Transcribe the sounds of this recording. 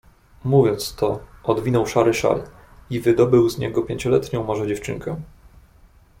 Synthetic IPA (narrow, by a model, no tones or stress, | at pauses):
muvʲjɔnt̪st̪ɔɔd̪vʲinɔwʂaɾɘʂa̰l | ivɘd̪ɔbɘwzɲɛɡɔpʲjeɲt͡ɕɔlɛt̪ɲɔ̃w̃mɔʐɛd͡ʑɛft͡ʂɘ̰ŋkɛ